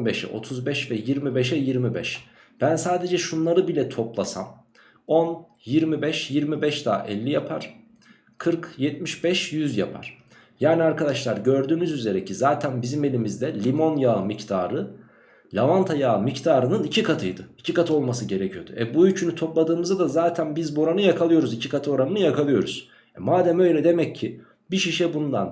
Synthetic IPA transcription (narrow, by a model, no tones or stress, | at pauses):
beʃɛ̰ʔo̞̰t̪ʰuzbɛʃvɛjiɾmibɛʃɛjiɾmibɛ̰ʃ | b̥ænsaːd̪e̞d͡ʒɛʃunlˠaɾɯbilʲɛt̪ʰo̞plˠasa̰m | o̞n | jiɾmibɛʃjiɾmibɛʃd̪aːʔɛ̰lʲːijapʰa̰ɾ̥ | kʰɯɾkjɛt̪̚miʃbɛʃjyzja̰pʰa̰ɾ̥ | jaːniaɾkʰad̪aʃlˠaɾɟø̞ɾd̪yːnyzyze̞ɾɛcʰizaːt̪ʰænbizime̞lʲimizd̪ɛlʲimo̞njaːɯmict̪ʰa̰ːɾɯ | lʲavant̪ʰajaːɯmict̪ʰaːɾɯnɯnicʰikʰat̪ʰɯjd̪ɯicʰikat̪ʰɯo̞lˠmasɯɟe̞ɾecʰijo̞d̪ṵɛbujyt͡ʃʰynyt̪ʰo̞plˠad̪ɯːmɯzad̪azaːt̪ʰænbizbuo̞ɾanɯjakʰalˠɯjo̞ɾuzicʰikʰat̪ʰɯo̞ɾanɯnɯjakalˠɯjo̞ɾuz̥ | ɛmaːd̪æmø̞jlʲɛd̪e̞mɛcʰːi | biʃiʃɛbund̪a̰n